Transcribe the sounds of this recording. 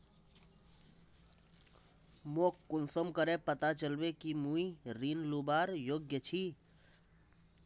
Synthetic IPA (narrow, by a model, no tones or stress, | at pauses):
moːkːʊnsəmkəɾepət̪at͡ʃəlbekimũiɾiːnlubaːɾjoːɡjət͡ʃʰi